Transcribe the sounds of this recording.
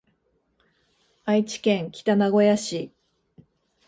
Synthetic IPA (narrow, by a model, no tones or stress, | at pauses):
ait͡ɕi̥kẽ̞ŋkʲi̥t̪anaɡo̞jaɕi